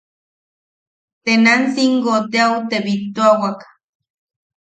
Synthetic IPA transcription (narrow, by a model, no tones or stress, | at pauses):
t̪enansiŋɡot̪eaut̪eβit̪oawak